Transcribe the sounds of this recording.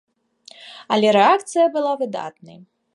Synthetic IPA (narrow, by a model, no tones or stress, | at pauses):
ɐlʲɛɾɛak̚t̪sɨjɐbɨlˠavɨd̪a̰t̪nɐ̰j